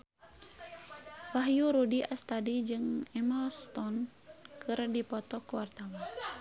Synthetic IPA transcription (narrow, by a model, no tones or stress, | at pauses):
waɦjuɾudiʔast̪adid͡ʒɨŋɛmalst̪ɔn | kɨrdipɔt̪ɔkuwart̪awa